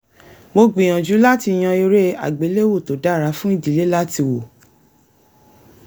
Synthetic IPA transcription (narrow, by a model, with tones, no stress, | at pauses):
mo˧ɡ͡bĩ˨ã˨d͡ʒu˨˦la˦ti˧˨j̃ã˧i˧ɾe˦a̰˨ɡ͡be˨˦le˦wo˦˨to˨da˨˦˨ɾa˨˦fũ˦i˦˨d͡ʒi˨˦le˦la˦ti˧wo˨